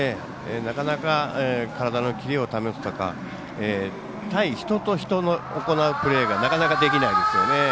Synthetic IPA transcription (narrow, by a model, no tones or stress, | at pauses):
e | enakanakaekaɾad̪ano̞kʲiɾʲio̞t̪ame̞sɨ̥t̪o̞ka̰ | eː | t̪aiçi̥t̪o̞t̪o̞çi̥t̪o̞no̞oko̞naɯ̟pɯ̟ɾe̞ːɡanakanakad̪e̞kʲinaid̪e̞sɨjo̞ne̞